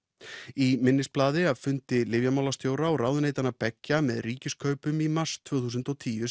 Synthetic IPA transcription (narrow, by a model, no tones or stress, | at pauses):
imɪnːɪsplaːðɪavfʏnt̪ɪlɪvjamawlast̪joːwɾaɔɾaːwðʏneːjt̪anapɛcːamɛðriːcɪskʰœɥpʏmimar̥st̪ʰv̥œːθuːsʏnt̪ɔt̪ʰiːjʏ